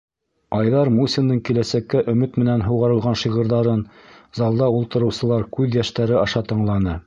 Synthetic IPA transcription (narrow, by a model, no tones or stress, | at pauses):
ɑjðɑɾmusʲind̪ɤɴkilæsækːæʔɵ̆mɘt̪mɘ̆nænɦuwʁɑɾɤ̆lˠʁɑnʃiʁɤ̆ɾðɑɾɤnzɑlˠd̪ɑulˠt̪ɤ̆ɾɤ̆wsɤ̆lˠɑɾkʉðjæʃt̪æɾɘɑʃɑt̪ɤ̆ɴlˠɑnɤ